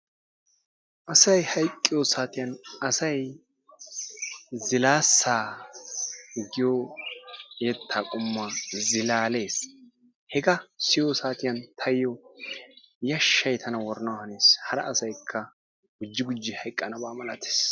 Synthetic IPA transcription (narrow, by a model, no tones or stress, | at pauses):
ʔɐsɐjhɐjkʼːɪjoːsaːt̪ɪjɐnɐsɐj | zɪlaːsːaː | ɡɪjo | ɛt̪ʰːaːkʼʊmːazɪlaːle̞ːs | hɛɡɐsɪjoːsaːt̪ɪjɐnt̪ʰɐjjɔ | jɐʃːɐjt̪ʰɐnɐwɔɾnɐwhɐneːshɐɾɐ̰ːsɐjkʰːɐ | ɡ̥ʊd͡ʒːɪɡʊd͡ʒːɪhɐjkʼːɐnɐbaːmɐlɐt̪ʰe̥ːs